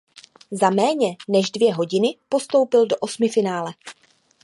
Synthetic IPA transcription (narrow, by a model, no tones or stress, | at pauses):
zamɛːɲɛnɛʒdvjɛɦo̞ɟɪnɪpo̞st̪o̞wpɪldo̞ʔo̞smɪfɪnaːlɛ